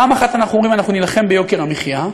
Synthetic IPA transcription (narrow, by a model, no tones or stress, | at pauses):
aːmaχat̪anaχnuomʁimanaχnunilaχe̞mbejo̞keʁamiχja